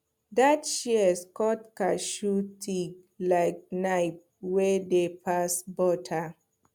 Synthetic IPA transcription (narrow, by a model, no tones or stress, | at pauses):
datʃiɛskɔtkaʃutʰiɡ | laɪk̚naɪp̚ | wɛdepasbɔtʰa